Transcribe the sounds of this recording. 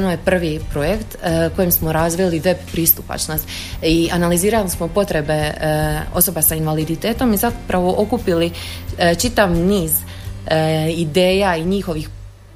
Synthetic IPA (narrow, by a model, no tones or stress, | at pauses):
nojepr̩ʋipɾo̞jekt̪ko̞jimsmo̞ɾaːzʋiliʋe̞bpɾist̪upa̰t͡ʃnost̪ | ianaliziːɾalismo̞po̞t̪ɾe̞be̞ | o̞so̞basainʋalid̪it̪e̞ːt̪o̞mizapɾaʋo̞ʔo̞kupili | t͡ʃit̪aʋniːz | id̪e̞ːjaiɲixo̞ʋix